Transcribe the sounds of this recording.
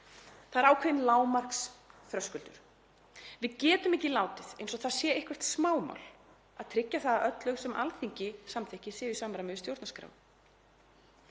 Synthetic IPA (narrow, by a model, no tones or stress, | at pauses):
θaðɛɾaːwkʰɛðɪnlaːwmaɾ̥ksθɾœskʏlt̪ʏɾ̥ | vɪðcɛːt̪ʏmehcɪlaːwt̪ɪðḛjnsɔɣθaðsjɛːehkvɛɾ̥t̪smaːwma̰wl | aðt̪ʰɾɪcːaθaðaʔœt̪lœɣsɛmʔa̰lθiɲcɪsamθɪhcɪsɛːʏsamɾamɛðʏst̪jowɾt̪naskɾa̰ːw